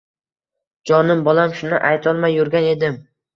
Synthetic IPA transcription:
d͡ʒɒnɪmbɒlamʃʊnɪʔajt̪ʰɒlˠmajʊɾɡʲane̞d̪ɪm

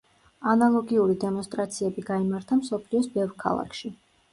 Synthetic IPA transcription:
analˠɔɡiuɾid̪ɛmɔnst̪ʼɾat̪sʰiɛbiɡaimaɾt̪ʰamsɔpʰliɔsbɛvɾkʰa̰lˠa̰kʰʃi

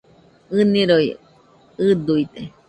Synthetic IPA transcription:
ɨnĩɾoj | ɨd̪uit̪e

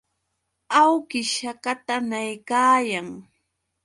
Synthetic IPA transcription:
awkɪʃakat̪anajkaːjaŋ

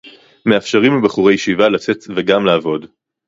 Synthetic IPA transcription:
meafʃaʁimlebeχuʁejeʃivalat͡setveɡamlaːvo̞d

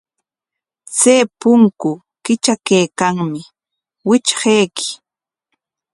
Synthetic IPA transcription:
t͡seːpʊŋkʊ | kɪt͡ʃakejkaŋmɪ | wɪt͡ʃhejkʰɪ̥

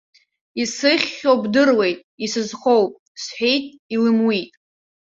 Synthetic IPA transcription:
isɨχʲowbdɨrwe̞jtʼisɨzχʷowpʼ | sħᶣejtʼ | ilɨmwitʼ

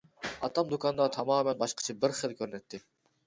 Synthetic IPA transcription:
ɑt̪ʰɑmd̪okʰɑnd̪ɑt̪ʰɑmɑːmɛnbɑʃqʰə̥t͡ʃʰɑbɪɾχəlˠkʲʰøɾnɛt̪ʰːɪ

